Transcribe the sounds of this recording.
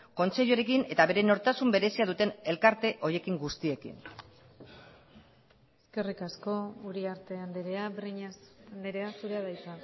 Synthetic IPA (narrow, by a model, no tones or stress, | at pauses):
ko̞nt͡se̞ʎoɾe̞kine̞t̪aβe̞ɾe̞no̞ɾt̪asumbe̞ɾe̞siaðut̪e̞ne̞lkaɾt̪e̞ʔo̞ɾje̞kiŋɡust̪ie̞kḭn | eske̞rikasko̞uɾiaɾt̪e̞and̪eɾeabriɲand̪eɾe̞asuɾeaðajt͡sa